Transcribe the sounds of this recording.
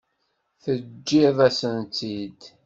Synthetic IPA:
θəd͡ʒːiðˤæsənt̪id̪

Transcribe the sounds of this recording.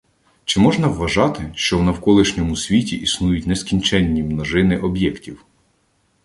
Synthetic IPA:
t͡ʃɪmɔʒnɐwːɐʒɑt̪ɪʃt͡ʃɔwnɐwkɔlˠɪʃnʲɔmʊsʲʋʲitʲiʔisnujʊtʲnɛskʲinʲt͡ʃɛnʲːimnɔʒɪnɪʔɔbjɛktʲiw

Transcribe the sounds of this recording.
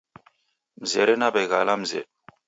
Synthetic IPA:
mzeɾenaːbɐjɣaːlaːmzḛ

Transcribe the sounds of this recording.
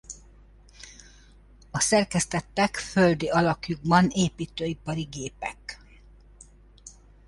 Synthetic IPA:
ɒsɛrkɛst̪ɛt̪ːɛkføld̪iɒlɒkjuɡ̚bɒneːpiːt̪øːipɒɾiɡeːpɛ̰k

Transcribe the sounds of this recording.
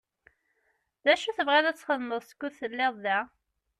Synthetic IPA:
ðæʃuθəvʁeðæt͡sːχəðməðˤskʷːuðθəlːɪðˤðæ

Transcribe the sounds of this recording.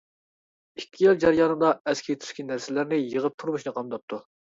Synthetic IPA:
ikʲʰːijild͡ʒɑɾjɑːnɨd̪ɑɛskʲʰit̪ʰy̥ʃkʲinːæɾsɪlɪɾnɪjəʁəp̚t̪ʰuɾmuʃnɨqʰɑmd̪ɑp̚t̪ʰːu

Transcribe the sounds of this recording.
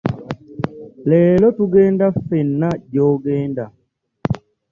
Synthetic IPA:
lɛːlɔtuɡɛndafɛnːaɟɔːɡɛːnda

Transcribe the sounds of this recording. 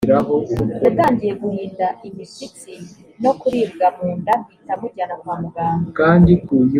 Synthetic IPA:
iɾaɦojataːɲɟije̞ɡuhiːndaʔimiʃit͡si | no̞kuɾiːbɡamuːndamɡiːtamuɟanaɡwamuɡaːmkaːndikuju

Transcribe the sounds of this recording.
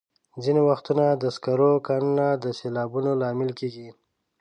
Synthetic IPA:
zinewaxt̪unad̪əskaɾokannad̪əselɑːbunolɑmɪlkeɡi

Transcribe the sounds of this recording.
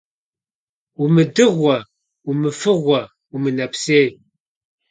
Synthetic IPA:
umɨdɨʁʷɐ | umɨfɨʁʷɐ | umɨnɐpseːj

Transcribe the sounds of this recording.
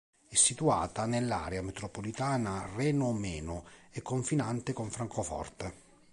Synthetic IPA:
ɛsːit̪ua̰ːt̪anelːa̰ːɾeamet̪ɾopolit̪aːnarɛːnʊmɛːnʊɛkːoɱfinant̪ekoɱfɾaŋkofɔ̰rt̪e

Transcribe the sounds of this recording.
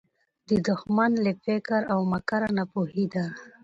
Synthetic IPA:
d̪əd̪ʊxmanlefekaɾawmakaɾanapuhid̪a

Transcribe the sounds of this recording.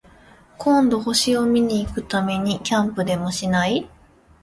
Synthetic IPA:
kʰõ̞nd̪o̞ho̞ɕio̞mʲiɲ̟iːkɯ̟t̪ame̞ɲ̟ikʲãmpɯ̟d̪e̞mo̞ɕinai

